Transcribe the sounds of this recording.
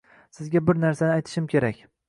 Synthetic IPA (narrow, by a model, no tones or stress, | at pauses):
sɪzɡʲabɪɾnaɾsanɪajt̪ʰɪ̥ʃɪmkʲʰe̞ɾakʲ